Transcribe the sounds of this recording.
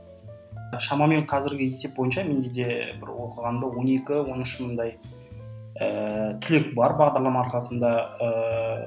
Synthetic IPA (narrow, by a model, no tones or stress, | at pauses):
ʃɑmɑme̞ɴqʰɑzɪɾɡʲɪje̞se̞p̚bo̞jənʃɑme̞nd̪e̞d̪e̞bɪ̰ɾwo̞qəʁɑnd̪əwo̞ne̞kʲɪwo̞nɪʃmənd̪ɑj | ət̪ʰʏle̞k̚bɑɾbɑʁd̪ɑɾlˠɑmɑːɾqɑsənd̪ɑə